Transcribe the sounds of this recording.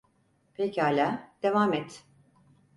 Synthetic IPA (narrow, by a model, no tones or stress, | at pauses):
pʰecaːlʲaːd̪̥e̞vaːmɛt̪